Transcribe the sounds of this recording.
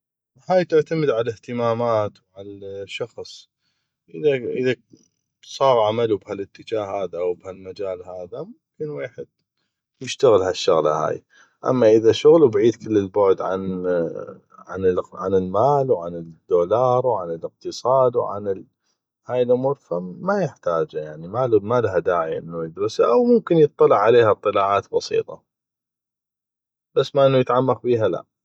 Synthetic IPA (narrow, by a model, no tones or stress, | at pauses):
haːjt̪ɪʕt̪amɪd̪ʕalɪht̪əmaːmaːt̪wʕalaʃɑxsˤ | ʔəðaʔəða | sˤɑːɣʕamalubhalɪt̪ːɪd͡ʒaːhhaːðaʔawbhalmad͡ʒaːlhaːðamʊʊmkɪnweːħɪd̪̥̚ | jɪʃt̪aɣɪlhaʃːʊɣla̰ha̰ːj | ʔa̰mːaʔəðaʃʊɣlubʕiːd̪kɪlːəlbʊʕd̪ʕa̰n | ʕa̰nʕanəlmaːlwʕanɪd̪ːoːlɑːɾˤwʕanəlɪq̚t̪ɨsˤɑːd̪wʕa̰n | haːjɪlʔʊmuːɾˤfamajɪħt̪aːd͡ʒajaʕnimalmalaɦad̪aːʕiʔɪ̰nːujɪd̪ɾɪsaʔawmʊmkɪnjɨt̪ˤːɑlɪʕʕaleːhat̪ˤːɨlaːʕaːt̪bɑsḭːt̪ˤɑ | b̥asːmaʔɪnːujɪt̪ʕamːaqbiːɦala̰ʔ